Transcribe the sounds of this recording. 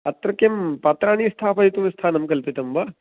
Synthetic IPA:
ɐt̪ɾɐkempat̪ɾaːnist̪ʰaːpʰɐit̪umist̪ʰaːnɐmkɐlpit̪ɐmba

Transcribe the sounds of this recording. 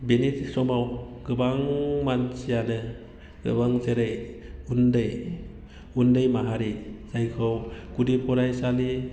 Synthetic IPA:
benitsɔmawɡ̥ɯbaŋmansijanɯ | ɡ̥ɯ̰baŋzeɾɯjundɯj | undɯjmaɦaɾizajkʰɯwɡ̥udipʰɔɾajsali

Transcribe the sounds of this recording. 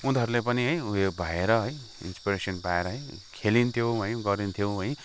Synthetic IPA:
und̪ʱʌɾulepʌniɦʌjuebʱʌeɾʌɦʌj | ḭnspiɾesʌnpaeɾʌɦʌjkʰelint̪ʰjowɦʌj̃ɡʌɾint̪ʰjowɦʌj̃

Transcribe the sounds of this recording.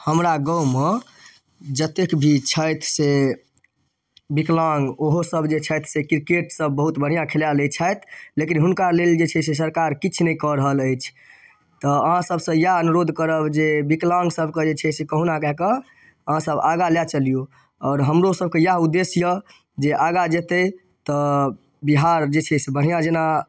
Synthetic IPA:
həmɾaɡɔwme | d͡ʒət̪ekbʱit͡ʃʰəjt̪ʰse | biklaŋɡoɦosəbʱd͡ʒet͡ʃʰəjt̪ʰsekɾkeʈsəbːəɦut̪bəɽ̤ijãkʰeljalet͡ʃʰəjt̪ʰlekinɦunkaleld͡ʒet͡ʃʰɛses̬əɾkaɾkit͡ʃʰnɛikɔɾəɦələjt͡ʃʰ | t̪ɔəɦãsəbʱsə̃jaənuɾod̪ʱkəɾəbd͡ʒebiklãŋɡsəbʱked͡ʒet͡ʃʰɛsekəɦunakɛkə | əɦãsəbaɡaljat͡ʃəlijo | ɔːɾɦəmɾosəb̚kejaɦud̪ːesjə | d͡ʒeʔaɡad͡ʒet̪e | t̪ɔ | biɦaɾd͡ʒet͡ʃʰɛsebəɽ̤ijãd͡ʒena

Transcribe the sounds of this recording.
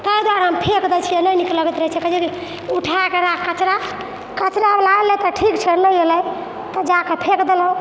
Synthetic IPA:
t̪əjd̪waɾɦəmpʰekd̪ɛt͡ʃʰijenəjnikləɡɛt̪ɾəɦɛt͡ʃʰɛkəd͡ʒeɾi | uʈʰakeɾakkət͡ʃɾa | kət͡ʃɾablalɛt̪ɔʈʰikt͡ʃʰenəjeləj | t̪ɔd͡ʒakepʰekd̪elũ

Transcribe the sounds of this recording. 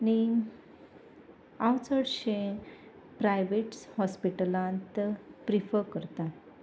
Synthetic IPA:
ni | awt͡səɽɕẽ | pɾajʋeʈshɔspiʈəlãnt̪pɾifəɾkəɾt̪a

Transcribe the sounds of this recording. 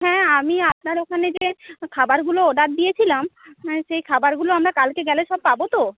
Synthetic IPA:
ɦɛ̃amiap̚naɾokʰaned͡ʑekʰabaɾɡulooɖaɾd̪ijet͡ɕʰilamʃejkʰabaɾɡuloamɾakalkeɡɛleʃɔb̚pabot̪o

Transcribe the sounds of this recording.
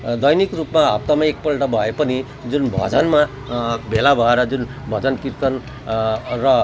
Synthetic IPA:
d̪ʌjnikrupmaɦa̰p̚t̪amaek̚pʌlʈʌbʱʌepʌni | d͡zunbʱʌ̰d͡zʌnma | bʱelabʱʌeɾʌd͡zunbʱʌd͡zʌnkirt̪ʌn | rʌ

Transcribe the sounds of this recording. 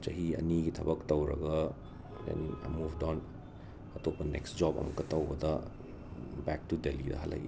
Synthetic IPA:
t͡ʃɐɦiɐ̰niɡitʰɐbɐk̚tɐwɾɐ̰ɡɐ | dḛnia̰jmubdawn | ɐtʰopɐnḛksd͡ʒɔbɐ̰mɐkːɐtɐwbɐdɐ | bɛk̚tudelidɐ̰ɦɐlːɐ̰jʔḭ

